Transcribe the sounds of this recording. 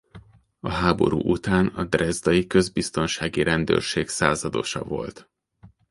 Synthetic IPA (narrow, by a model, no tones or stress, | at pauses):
ɒɦaːbo̞̰ɾṵːʔut̪aːnɒd̪rɛzd̪ɒjikø̞zbist̪o̞nʃaːɡiɾʔɛnd̪ø̰rʃeːɡsaːzɒd̪o̞ʃɒ̰vo̞lt̪